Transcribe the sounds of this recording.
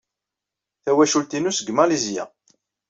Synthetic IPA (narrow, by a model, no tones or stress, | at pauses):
θæwæʃult̪inusəɡmælizjæ̰